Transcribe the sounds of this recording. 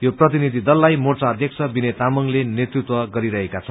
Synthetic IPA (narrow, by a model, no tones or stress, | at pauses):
joprʌt̪̬inid̪ʱid̪ʌlːajmort͡saʌd̪ʱjʌkt͡sʰʌbinet̪amʌŋlenet̪rut̪wʌɡʌɾiɾʌɦekat͡sʰʌn